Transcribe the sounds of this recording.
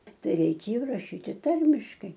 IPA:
ˈtɐɪ rʲɛɪˈkʲeːjoː rɐˈʃʲiːtʲɪ ˈtɐrʲmʲɪʃkɐɪ

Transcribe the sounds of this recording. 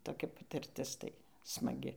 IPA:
toːˈkʲɛ pɐtʲɪrʲˈtʲɪs ˈtɐɪ smɐˈɡʲɪ

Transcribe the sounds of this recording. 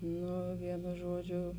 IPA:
ˈnʊ ˈʋʲiɛnʊ ˈʒuɔˌd͡ʒʲʊ

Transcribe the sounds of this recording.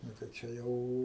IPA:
ˈnʊ tɐɪ ˈt͡ʃʲɛ jɛʊ

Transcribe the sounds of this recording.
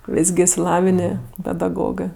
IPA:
ˈʋʲɪs ɡʲɪ ɪʃʲsʲɪˈlˠɑːʋʲɪnʲeː pʲɛdɐˈɡoːɡɜ

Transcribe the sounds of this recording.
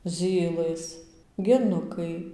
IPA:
ˈzʲiːlˠɘs ɡʲɛˈnʊkɐɪ

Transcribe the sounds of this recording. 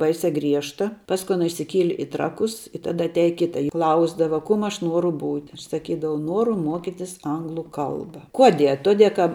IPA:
ˈbɐɪsʲɛ ˈɡrʲiɛʃtɐ ˈpɑːskʊ ˈɑːnɐ ɪʃʲsʲɪˈkʲiɛlʲɪ ɪ ˈtrɑːkʊs ɪ ˈtɑːdɐ ɐtʲˈæːjɛ ˈkʲɪtɐ ɪ ˈklˠɐʊzdɐʋɐ ˈkʊm ˈɐʃ ˈnuɔrʊ ˈbuːtʲɪ ˈɐʃ sɐˈkʲiːdɐʋɐʊ ˈnuɔrʊ ˈmuɔkʲɪtʲɪs ˈɐŋɡlˠʊ ˈkɐlˠbɐ ˈkuɔˌdʲiɛ ɐ ˈtuɔˌdʲiɛ kɐ

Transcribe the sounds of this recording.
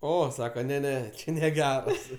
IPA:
ˈoː ˈsɑːkɐ nʲɛ ˈnʲɛ ˈt͡ʃʲɛ nʲɛˈɡʲæːrɐs

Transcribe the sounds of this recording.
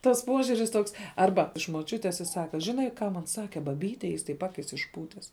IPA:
tɐs ˈpuɔʒʲʊrʲɪs ˈtoːks ˈɐrbɐ ɪʃ moːˈt͡ʃʲʊtʲeːs ɪ ˈsɑːkɐ ˈʒʲɪnɐɪ ˈkɑː mɐn ˈsɑːkʲɛ bɐˈbʲiːtʲɛ ˈjɪs tɐɪp ˈɑːkʲɪs ɪʃˈpuːtʲɛs

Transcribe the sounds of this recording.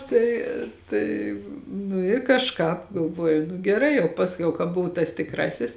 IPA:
ˈtɐɪ tɐɪ nʊ ɪ kɐʃˈkɑːp ɡɐlˠˈʋoːjʊ ɡʲɛˈrɐɪ jɛʊ ˈpɑːsʲˌkʲɛʊ kɐ ˈbʊʋʊ tɐs tʲɪkˈrɑːsʲɪs

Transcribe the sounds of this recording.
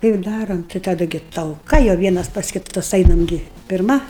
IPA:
ˈtɐɪ ɪr ˈdɑːroːm tɐɪ tɐˈdɐ ɡʲɪ tɐlˠˈkɐ jɛʊ ˈʋʲiɛnɐs pɐs kʲɪˈtɐs ˈɐɪnɐm ˈɡʲɪ pʲɪrˈmɐ

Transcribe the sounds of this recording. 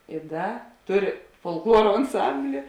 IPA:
ɪ ˈdɐ ˈtʊˌrʲɪ foːlˠkˈlˠuɔroː ɐnˈsɐmʲbʲlʲɪ

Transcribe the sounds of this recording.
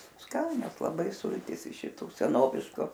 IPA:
ˈskɑːnʲoːs lˠɐˈbɐɪ ˈsʊlʲtʲiːs ɪʃ ʃʲɪˈtʊ sʲɛˈnoːʋʲɪʃkʊ

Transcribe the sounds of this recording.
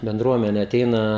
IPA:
bʲɛnˈdruɔmʲɛnʲɛ ɐˈtʲɛɪnɐ

